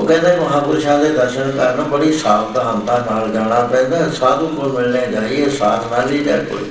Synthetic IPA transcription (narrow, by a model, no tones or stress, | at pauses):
oːkɛ̃ːnd̪aːməɦãːpuɾʃaːd̪eːd̪əɾʃənkəɾnːbəɽiːsaːpd̪aːɦənt̪ãːnaːld͡ʒaːɽ̃aːpɛ̃ːnd̪aːsaːd̪ũːkʊɾmɪlneːd͡ʒaːiːeːsaːt̪ʰnaːliːlɛ̰ːko̰l